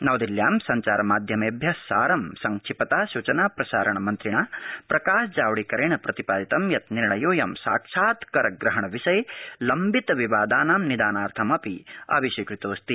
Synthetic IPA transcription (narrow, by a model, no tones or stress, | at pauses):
nɐwd̪iljaːmsɐɲt͡ʃaːɾɐmaːd̪ʱjɐmeːbʱjɐsːaːɾɐmsɐŋkʂʰipɐt̪aːʃut͡ʃɐnaːpɾɐsaːɾɐɳɐmɐnt̪ɾiɳɐpɾɐkaːʃd͡ʒaːʋɐɽikɐɾeːɳɐpɾɐt̪ipaːd̪it̪ɐmjɐt̪niɾɳɐjoːjɐmsa̰ːkʂaːt̪kɐɾɐɡɾɐɦɐɳɐʋiʃɐjlɐmbit̪ɐʋiʋaːd̪aːnaːmnid̪aːnaːɾt̪ʰɐmɐpia̰ːbiʃʋɐkɾit̪oːst̪i